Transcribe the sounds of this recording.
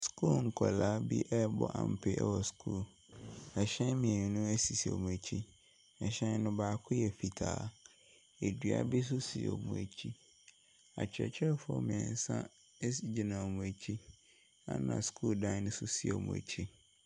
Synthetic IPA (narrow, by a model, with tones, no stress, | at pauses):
skʰu˦lŋ̩˨kʰɔ˨laː˨˦bḭ˦ʔɛ˦bɔ̰˦˨ʔã̰˨m̩˨pʰɪ˦ʔɛ̰˦wɔ˨skʰu˦˨l | ɛ˨ɕɛ̃˦n˦mĩ˨ɛ˨ɲĩ˨nʊ̃˦æ˦si˨si˨o̰˨mũ˨æ˨t͡ɕʰi˦ | ɛ˨ɕɛ̃˦nʊ̃˦baː˨kʰʊ˦jɛ˨fi˨tʰa̰ː˨ | e˨dɥa̰˨bi˦s̬ʊ˦si˨o̰˨mũ˨æ˨t͡ɕʰi˦ | a̰˨t͡ɕʰɛ̰˨t͡ɕʰɛ˦˨fʊ˦ɔ̰˦mĩ˨ɛ̃˨n˨˦sã̰˦ | sd͡ʑi˨nã˨mũ˨æ˨t͡ɕʰi˦ | a̰˦nã̰˨skʰuː˦ldã˦n˦sʊ˦si˨o̰˨mṵ̃˨æ̰˨t͡ɕʰi˦